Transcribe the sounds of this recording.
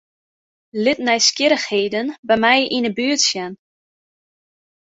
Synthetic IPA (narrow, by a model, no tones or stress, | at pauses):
lɪtnɛjskɪɾəxheːdənbɛjmɛjʔinəbyətsjɛn